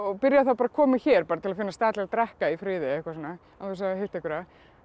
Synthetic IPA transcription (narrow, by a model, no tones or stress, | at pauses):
ɔɣpɪɾjaθawpaɾakʰɔːmɪçɛːɾpaːɾat̪ɪlafɪnːast̪aːt̪lɛlt̪ɾɛhkaifɾɪːðɪɛhkvasɔnːa | aɛs̬ahejlt̪ɛhkvʏɾa